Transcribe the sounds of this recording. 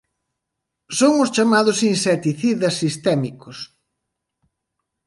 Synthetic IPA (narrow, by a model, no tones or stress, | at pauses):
soŋʊst͡ʃamaðʊsinsɛt̪iθiðɐsːist̪ɛmikʊs